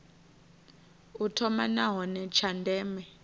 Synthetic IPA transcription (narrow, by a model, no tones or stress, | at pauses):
utʰɔmanaɦɔnɛt͡ʃʰandʱɛːmɛ